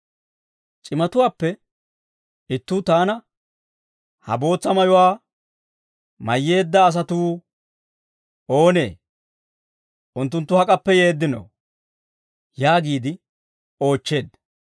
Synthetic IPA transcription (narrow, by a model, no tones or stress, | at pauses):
t͡ʃʼɪmɐt̪ʊwaːpːɛ | ɪt̪ːuːt̪aːnɐ | hɐ̰bo̞ːt͡sːɐmɐjʊwaː | mɐjːe̞ːd̪ːɐːs̬ɐt̪uː | o̞ːne̞̰ː | ʔʊnt̪̬ːʊnt̪ːʊhɐkʼɐpːɛje̞ːd̪ːɪno̰ | jaːɡiːd̪ɪ | o̞ːt͡ʃːe̞ːd̪